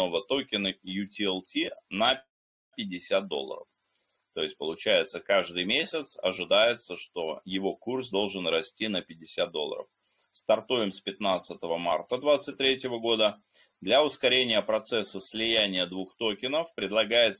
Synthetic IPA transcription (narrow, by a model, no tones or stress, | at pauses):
o̞vət̪o̞kʲɪnəjutʲɪɛlˠtʲinə | pʲɪdʲːɪsʲat̪̚d̪o̞̰lˠə̰ɾə̰f | t̪o̞jɪsʲt̚ʲpəlˠʊt͡ɕæjɪt̪səkaʐd̪ɨjmʲesʲɪt̪sɐ̰ʐɨd̪ajɪt̪səʂt̪o̞jɪvo̞kursd̪o̞lˠʐɨnɾɐsʲtʲinəpʲɪdʲɪsʲat̪̚d̪o̞lˠə̰ɾə̰f | st̪ɐrt̪ujɪmspʲɪt̪nat̪sɨt̪əvəma̰rt̪əd̪vat̪sɨt̚ʲt̪ːɾʲetʲɪvəɡo̞d̪ə | d̪lʲɐʊskɐɾʲenʲɪjəpɾɐt̪sɛsːəsʲlʲɪjænʲɪjəd̪vuxt̪o̞kʲɪnəfpɾʲɪd̪lˠɐɡajɪt̪s